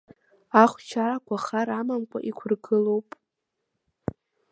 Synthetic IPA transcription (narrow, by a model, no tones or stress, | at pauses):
aχʷt͡ʃʰaɾakʷʰaχaɾamamkʷʼa̰ʔikʷʰʊrɡɨlo̞wpʼ